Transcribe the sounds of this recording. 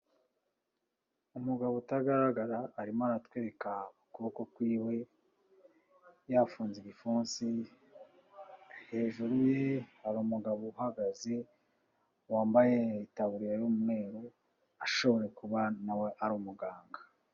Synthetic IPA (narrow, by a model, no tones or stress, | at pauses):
umuɡaβotaɡaɾaɡaɾaːɾimaɾatwe̞ːɾekaukuβokokwiːwe̞ | jafuːnziɡifuːnsi | he̞ːʒuɾujehaɾuːmuɡaβohaɡaze̞ | waːmbajeitaβuɾiɾejumume̞ːɾo | aʃo̞βo̞ɾe̞kuβanaweʔaɾumuɡaːŋɡa